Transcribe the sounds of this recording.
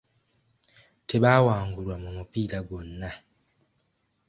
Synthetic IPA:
tʰeɓawaːŋɡulwamumupilaɡwonːa

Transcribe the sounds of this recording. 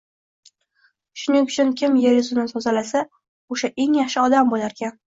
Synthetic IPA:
ʃʊnɪŋʊt͡ʃʰʊnkʲʰɪmjeɾɪzʊnɪsɒzalasa | oʃaʔe̞ŋjaχʃɪɒd̪ambolaɾkʲan

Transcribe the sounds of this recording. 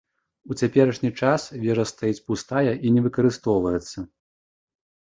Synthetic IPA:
ut͡sʲapʲɛɾɐʂnʲit͡ʂasvʲɛʐɐst̪ajit͡sʲpust̪ajɐʔinʲɛvɨkɐɾɨst̪ɔwvɐjɛt̪sːɐ

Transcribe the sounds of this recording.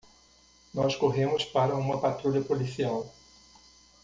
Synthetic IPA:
nɔskoɦẽmʊspaɾɐũmɐpat̪ɾuʎɐpolisiaw

